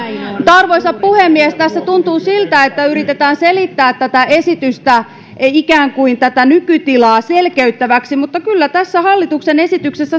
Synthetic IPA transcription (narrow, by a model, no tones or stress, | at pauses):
mut̪ɑrʋoisɑppuhemːiɛst̪æsːæt̪unt̪uːsilt̪æet̪ːæyrit̪et̪æːnselit̪ːæːt̪t̪æt̪æʔesit̪yst̪æ | ikæːŋkuint̪æt̪ænykyt̪ilɑːselkeyt̪ːæʋæksimut̪ːɑkylːæt̪æsːæhɑlːit̪uksenesit̪yksesːæ